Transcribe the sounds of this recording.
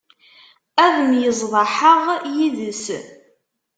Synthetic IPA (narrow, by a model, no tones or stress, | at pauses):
æðəmjəzˤðˤɑħəʁjiðəs